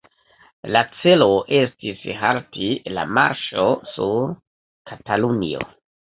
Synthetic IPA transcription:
lat͡se̞loʔe̞stisɦaɾtila̰ma̰ɾʃo̞suɾ | kʰatalunḭo̰

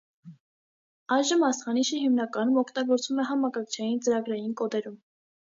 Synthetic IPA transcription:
ɑjʒəmɑsχɑniʃəɦimnɑkɑnumɔkʰt̪ɑɡɔɾt͡svumɛɦɑmɑkɑkt͡ʃʰɑjint͡səɾɑɡɾɑjinkɔd̪ɛɾum

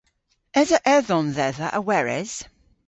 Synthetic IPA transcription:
ɛzəʔɛðɔnðɛðəʔəwɛɹɛ̰z̥

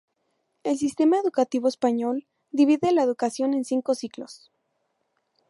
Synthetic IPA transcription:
e̞ls̬ist̪e̞maeðukat̪iβoespaɲo̞l | d̪iβiðelaeðukasjo̞ne̞nsiŋko̞siklo̰s

